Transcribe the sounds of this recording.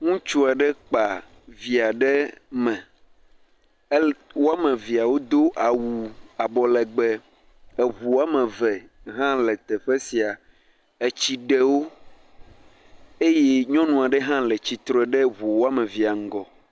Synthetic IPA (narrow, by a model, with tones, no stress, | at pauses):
ŋũ˦t͡ʃu˦a˨ɖɛ˦k͡pa˨ | vi˨a˨ɖɛ˦mɛ̃˨˦ | wo˦a˦mɛ̃˨vi˨a˨wo˦d̪o˦ʔa˨wu˨a˨bɔ˨lɛ˨ɡ͡bɛ˨ | ɛ˨βu˨wa˦mɛ̃˨vɛ˨ɦã˦lɛ˨t̪ɛ˨ɸɛ˦si˨a˨ | e˨t͡ɕi˨ɖe˦wo˦ | e˦je˦ɲɔ̃˦nũ˨a˨ɖɛ˦ɦã˦lɛ˨t͡ɕi˨t̪ɾɔ˦ɛ˨ɖɛ˦βu˨wo˦a˦mɛ̃˨vi˨a˨ŋ̩˦ɡɔ˨